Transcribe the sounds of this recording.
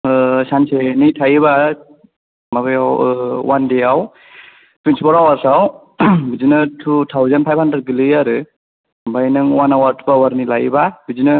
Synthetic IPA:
sansenitʰajβa | mabɯjawwandeaw | twentʰipʰɔɾawaɾsaw | bid͡ʒinɯtʰutʰawzanpʰajbʰʱhandɾed̚ɡilɯaɾɯ | bajnɯŋwanawaɾtʰu̥pawaɾnilajbabid͡ʒinɯ

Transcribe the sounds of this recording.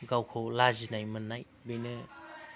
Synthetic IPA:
ɡawkʰowlazinajmɯnːaj | bejnɯ

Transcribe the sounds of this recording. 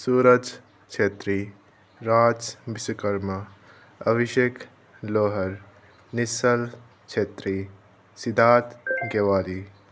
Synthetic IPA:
suːɾəd͡ʒ | kt͡ʃeːt̪ɾi | ɾaːd͡ʒbisukɐɾmɐ | ɐbiʃjek | loːɦɐɾ | nisɐl | kt͡ʃʰeːt̪ɾi | sid̪ʱaːt̪ɡeʋaːli

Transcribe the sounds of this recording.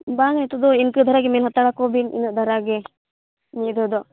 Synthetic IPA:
baːŋt̪ud̪uinkɯd̪ʱɐɾaːɡemeːnɦɐt̪ːaɽakoːbinḭnɨd̪ʱɐɾaːɡe | nid̪ud̪o

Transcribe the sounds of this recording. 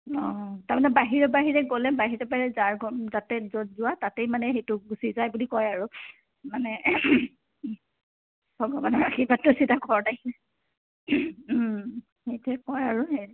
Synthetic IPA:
ɔtaɹmanɛbaɦiɹɔbaɦiɹɛɡolɛbaɦiɹɔbaiɹɛzaɹɡɔzatɛzɔzʊatatejmanɛxejtʊɡusizajbulikɔjaɹu | manɛ | b̥ʱɔɡɔbanɔɹaxibatːʊsitaɡɔɹnakiɛ | hejtɛkɔjaɹuɦej

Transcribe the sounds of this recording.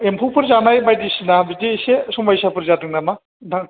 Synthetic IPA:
empʰupʰɯɾzanajbajdisinabidesesɔŋbajsapʰɯɾzadɯŋnama | daŋ

